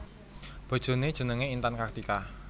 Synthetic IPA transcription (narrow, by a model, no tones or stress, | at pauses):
b̥ɔ̤d̥ʒ̥o̤ned̥ʒ̥ə̤nəŋeint̪ankakt̪ika